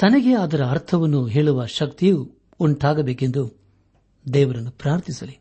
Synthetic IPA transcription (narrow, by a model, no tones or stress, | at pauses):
t̪ɐnɐɡe̞ɐd̪ɐɾɐːɾt̪ʰɐʋɐnːuɦeːɭuʋɐʃɐkt̪ijuː | ɳʈaːɡɐbeːke̞nd̪u | d̪ɛːʋɐɾɐnːupɾaːɾt̪ʰisɐli